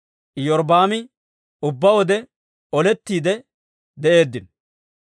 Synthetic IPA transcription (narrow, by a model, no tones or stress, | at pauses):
jɔɾbaːmɪ | ʊbːɐwɔd̪ɛ | ɔlɛt̪ːiːd̪ɛ | d̪ɛʔe̞ːd̪ːɪn